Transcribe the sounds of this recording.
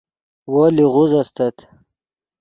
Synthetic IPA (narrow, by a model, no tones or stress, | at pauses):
wɔliʁuzast̪at̪